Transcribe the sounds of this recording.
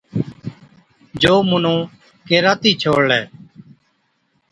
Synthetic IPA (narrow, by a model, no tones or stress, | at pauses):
d͡ʒoːmʊnõː | keːɾaːt̪iːt͡ʃʰoːɽlɛː